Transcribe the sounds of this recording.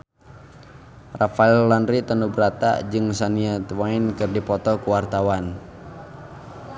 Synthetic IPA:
rafaɛlːanɾit̪ənubəɾat̪a̰d͡ʒɨŋsaniat̪wainkɨrdipɔt̪ɔkuwart̪awan

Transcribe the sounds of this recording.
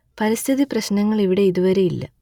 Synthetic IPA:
pɐɾist̪ʰiðiprɐɕnɐŋːɐɭiʋiɽe̞iðuʋɐɾe̞ilːɐ̰

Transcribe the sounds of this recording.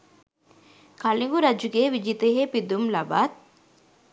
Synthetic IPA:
kɐliŋɡuɾɐd͡ʒuɡeːʋid͡ʒit̪eɦeːpid̪umlɐba̰ːt̪̚

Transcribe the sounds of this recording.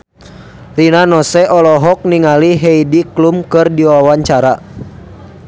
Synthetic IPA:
rinanɔsɛʔɔlɔɦɔk̚niŋaliɦɛidiklumkɨrdiwawaɲt͡ʃaɾa

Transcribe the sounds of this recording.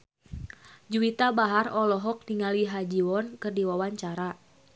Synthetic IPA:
d͡ʒuit̪abaɦarɔlɔɦɔk̚diŋaliɦad͡ʒiwɔnkɨrdiwawaɲt͡ʃaɾa

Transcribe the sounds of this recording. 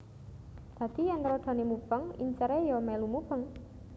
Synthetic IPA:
d̪̥a̤d̪̥i̤jɛnɾɔɖ̪̥a̤nemub̥əŋḭɲt͡ʃəɾejɔmɛlumub̥əŋ

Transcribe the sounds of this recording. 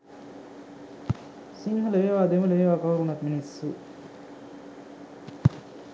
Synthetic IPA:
siŋɦɐlɐʋeːʋaːd̪emɐlɐeʋaːkɐɦuɾunɐt̪minisːu

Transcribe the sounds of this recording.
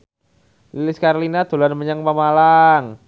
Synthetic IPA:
lilɪskaɾlinat̪ṳlanməɲaŋpamalaŋ

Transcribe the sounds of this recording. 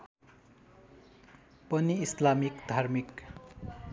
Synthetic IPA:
pʌniːslamikd̪ʱarmik

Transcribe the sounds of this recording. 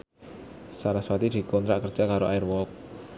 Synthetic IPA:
saɾaswat̪id̪̥i̤kɔnt̪ɾaʔkər̥ʒ̥akaɾoʔajərwɔk̚

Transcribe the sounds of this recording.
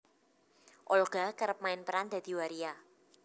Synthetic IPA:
ʔɔlɡ̥a̤kəɾəp̚maɪnpəɾand̪a̤d̪̥i̤waɾia

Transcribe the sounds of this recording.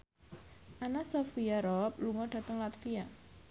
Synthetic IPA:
ʔanasofiaɾɔp̚luŋɔɖ̥ä̤t̪əŋlat̪fia

